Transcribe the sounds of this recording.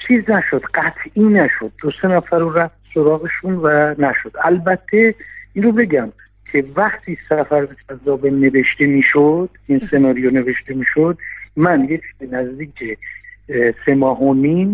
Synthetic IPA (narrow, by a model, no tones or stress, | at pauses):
t͡ʃʰiːznæʃo̞d̪ɢæt̪ʰiːnæʃo̞d̪̚ːose̞næfæɾuɾæft̪̚soɾɒːɣeʃunvænæʃo̞d̪̥ælbæt̪ʰːe̞iːnɾobe̞ɟæm | kʰe̞væχt̪ʰiːsæfæɾbed͡ʒæzːɒːbene̞ve̞ʃt̪emiːʃod̪̥inse̞nɒːɾijone̞ve̞ʃt̪e̞miːʃod̪̥mænjecʰbenæzd̪iːcʰe | se̞mɒːɦonim